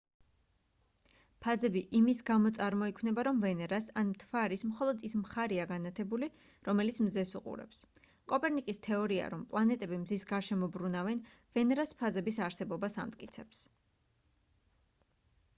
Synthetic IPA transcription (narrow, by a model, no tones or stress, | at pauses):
pʰazɛbiʔimisɡamɔt̪sʼaɾmɔikʰwnɛbaɾɔmvɛnɛɾasanmt̪ʰvaɾismχɔlˠɔd̪ismχaɾiaɡanat̪ʰɛbuli | ɾɔmɛlit̪sʰmzɛsuqʼṵɾɛ̰ps | kʼɔpʼɛɾnikʼist̪ʰɛɔɾia̰ɾɔmpʼlˠanɛt̪ʼɛbimzisɡaɾʃɛmɔbɾunavɛn | vɛnɛɾaspʰazɛbisaɾsɛbɔbasa̰mt̪̚ʼkʼit̪sʰɛps